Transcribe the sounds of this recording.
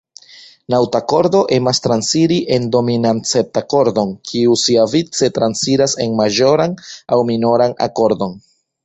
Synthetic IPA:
nawtako̞ɾdo̞ʔe̞mastɾansiɾiʔe̞ndo̞minant͡sep̚tako̞ɾdo̞nkʰiusiavit͡se̞tɾansiɾase̞nmaʒo̞ɾanawmino̞ɾana̰ko̞ɾdo̞n

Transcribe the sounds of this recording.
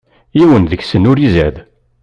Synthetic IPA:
jiwənðəçsənʊɾizæð

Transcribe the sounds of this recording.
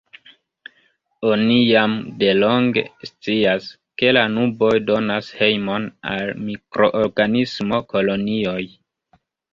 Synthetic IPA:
o̞nijamde̞lo̞ŋɡe̞̰st͡sias | ke̞lanubo̞jdo̞nashe̞jmo̞na̰lmikɾo̞ʔoɾɡanismo̞ko̞lo̞nio̞j

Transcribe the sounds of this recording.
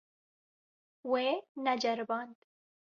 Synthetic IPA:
wenad͡ʒɐɾbaːnd̪

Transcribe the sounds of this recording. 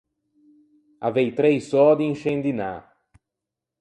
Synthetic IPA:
avejt̪ɾejsɔd̪ɪĩŋʃẽnd̪ina̰

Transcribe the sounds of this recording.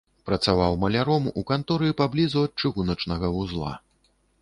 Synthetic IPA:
pɾɐt̪savawmɐlʲaɾɔmukant̪ɔɾɨipablʲizuɐt̪̚t͡ʂɨɣunɐt͡ʂnɐɣɐvuzlˠa̰

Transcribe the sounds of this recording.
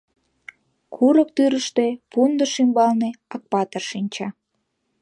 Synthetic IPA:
kʰuɾək̚t̪yɾəʃt̪epund̪əʃimbɑlneɑk̚pɑt̪ərʃinʲt͡ɕɑ

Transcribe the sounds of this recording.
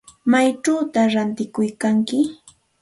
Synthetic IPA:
majʈ͡ʂaːt̪aɾant̪ɪkʊjkaŋkɪ

